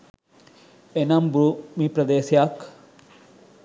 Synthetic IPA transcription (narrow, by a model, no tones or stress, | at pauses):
enɐmbɾumipɾɐd̪eːsjak